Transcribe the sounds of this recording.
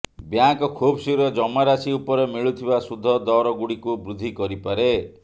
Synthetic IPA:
bjaŋkɔkʰubsiɾɔd͡ʒɔmaɾasiupɔɾemiɭut̪ʰibasud̪ʱːɔd̪ɔɾɔɡuɽikubɾud̪ʱːikɔɾipaɾe

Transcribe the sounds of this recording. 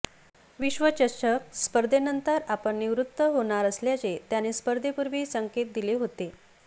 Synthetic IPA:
ʋiɕʋət͡ɕəɾɕək̚spəɾd̪ʱenənt̪əɾapəɳːiʋɾut̪ːəɦoɳ̃aɾəsljat͡set̪janespəɾd̪ʱepuɾʋiːsəŋket̪̚d̪ileɦot̪e

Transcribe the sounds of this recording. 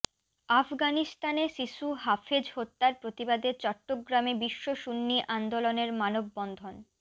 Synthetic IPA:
afɡanist̪aneʃiʃuɦafʰed͡ʑɦot̪ːaɾpɾot̪ibad̪et͡ɕɔʈːoɡɾamebiʃːoʃunːiʔand̪oloneɾmanobːɔnd̪ʱon

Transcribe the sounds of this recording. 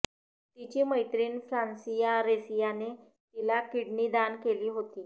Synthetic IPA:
t̪it͡ɕiːməjt̪ɾiːnfɾansijaɾesijane | t̪ilakiɽɳiːd̪ankeliːɦot̪iː

